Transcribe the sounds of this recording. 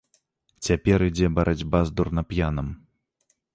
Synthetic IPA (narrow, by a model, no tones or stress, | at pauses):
t͡sʲapʲɛɾid͡zʲɛbɐɾʔad͡zʲbazd̪urnɐpjanɐm